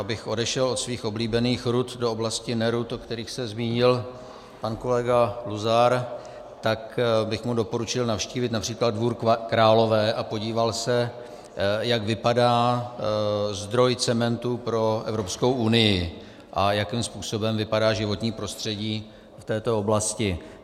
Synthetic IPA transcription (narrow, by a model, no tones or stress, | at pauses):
abɪxʔo̞dɛʃɛlo̞t̪sviːxo̞bliːbɛniːxɾut̪dooblascɪnɛɾut̪okt̪ɛɾiːxsɛzmiːɲɪl | panko̞lɛɡaluzaɾ | t̪akbɪxmudo̞po̞ɾut͡ʃɪlnafʃciːvɪt̪napr̥iːklad̪̚dvuːɾkɾaːlo̞vɛːʔapo̞ɟiːvalsɛ | jaɡvɪpadaː | zd̪ɾo̞jt͡sɛmɛnt̪upɾo̞ʔɛvɾo̞psko̞wʔunɪjɪ | ʔajakiːmspuːso̞bɛmvɪpadaːʒɪvo̞t̪ɲiːpɾo̞st̪r̝̥ɛɟiː | ft̪ɛːt̪o̞oblascɪ